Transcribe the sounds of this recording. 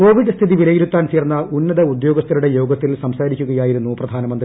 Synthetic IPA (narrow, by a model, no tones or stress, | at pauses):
ko̞ːʋiɖst̪ʰiðiʋilɐjiɾut̪ːaːnt͡ɕe̞ːrnːɐʔunːɐðɐud̪jo̞ːɡɐst̪ːɐluɽe̞jo̞ːɡɐt̪ːilsɐmsaːɾikʲːuɣɐjaːjiɾunːuprɐd̪ʱaːnɐmɐnd̪r